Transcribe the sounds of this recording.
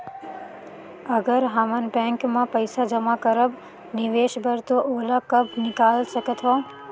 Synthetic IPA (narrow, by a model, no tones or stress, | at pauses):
əɡəɾɦamənbɛ̃ːŋkmãpəɪsad͡ʒəmakəɾəb | nɪʋeːʃbəɾt̪oʔoːlakəbnɪkaːlsəkət̪ʰɦɔː